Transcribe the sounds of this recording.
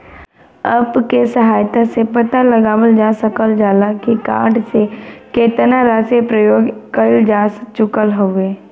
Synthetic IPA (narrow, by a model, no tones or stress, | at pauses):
əbkesəɦaːjt̪asepət̪aləɡaːʋəld͡ʒaːsəkəld͡ʒaːlakika̰ːɖsekeːt̪naɾaːsepɾəjoːɡkəɪld͡ʒaːst͡ʃʊkəlɦoeː